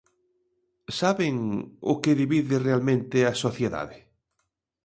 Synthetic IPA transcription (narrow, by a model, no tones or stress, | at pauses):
saβeŋʊ̰keðiβiðɪrealmẽnt̪easoθjeða̰ðe